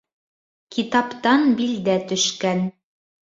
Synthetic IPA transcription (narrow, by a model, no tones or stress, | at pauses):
kʰit̪ɑpt̪ɑnbild̪æt̪ɵ̆ʃkæn